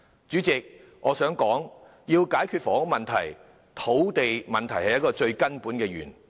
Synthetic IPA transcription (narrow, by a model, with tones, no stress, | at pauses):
t͡ʃyː˨˥t͡sɪ˨k̚ | ʔɔː˨˧sœː˨˥ŋkɔː˨˥ŋ | jiː˧wkaː˨˥jkʰy˧t̚fɔː˨˥ŋʊ˨˥mɐ˨nt̪ʰɐ̰˨˩j | t̪ʰo˨˥wt̪e˨jmɐ˨nt̪ʰɐ˨˩jhɐ˨jɐ˥t̚kɔː˧t͡ʃɵ˧ɥkɐ˥npuː˨˥nkɛː˧jy̰ː˨˩n